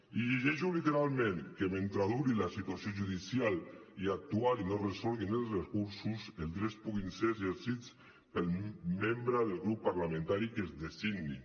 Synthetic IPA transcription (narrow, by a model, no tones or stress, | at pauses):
iʎeʒɛʒulit̪eɾalˠmẽŋkement̪ɾaðuɾilasit̪wasjoʒuðisjaliak̚t̪ualinoresɔlˠɣinelˠsrekuɾsuseld̪ɾespuɣinseɾezeɾsit͡s | pelˠmembɾaðelˠɣɾupːaɾlamẽnt̪aɾikezðest̪iɡni